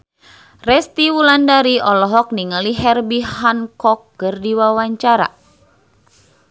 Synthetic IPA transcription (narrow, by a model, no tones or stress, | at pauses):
rɛst̪iwulandaɾiɔlɔɦɔk̚niŋaliɦɛrbihankɔkːɨrdiwawaɲt͡ʃaɾa̰